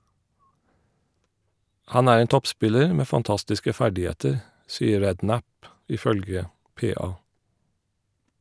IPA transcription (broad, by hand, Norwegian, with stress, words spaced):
ˈhɑn ˈæːɹ ˈeːn ˈtɔpˌspɪləɹ ˈmeː fɑnˈtɑstɪskə ˈfæɖɪˌheːtəɹ ˈsiːəɾ ˈɹɛdˌnæp ˌʔɪˈfœlɡə ˈpeːˌɑː